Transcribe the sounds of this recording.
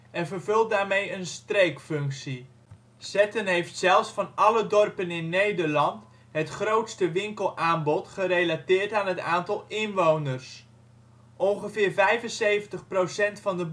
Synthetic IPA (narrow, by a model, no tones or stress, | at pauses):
ɛnvərvɵlˠt̚daːɹmejənstrejkfɵŋksi | sɛtənɦejftsɛlˠfsfɑnɑlədɔrpənɪnːejdəɹlɑnt | ɦətχrowtstəʋɪŋkəlˠaːnbɔtχərelatɪːrtaːnɦətaːntɑlˠɪnʋownərs | ʔɔnχəvɪːɹvɛjvənsejvəntəχprowsɛntfɑndəb